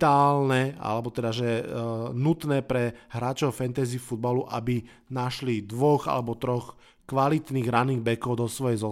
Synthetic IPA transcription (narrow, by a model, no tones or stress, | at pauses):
aːlnɛa̰lɛbɔt̪ɛd̪aʒɛnut̪nɛːpɾɛɦɾaːt͡ʃɔʊfɛnt̪ɛziːfud̪̚baluʔa̰bi | naʃlid̪ʋɔɣa̰lɛbɔt̪ɾɔx | kʋalit̪niːɣɾaniːɣbɛkɔʊd̪ɔsʋɔjɛjzɔ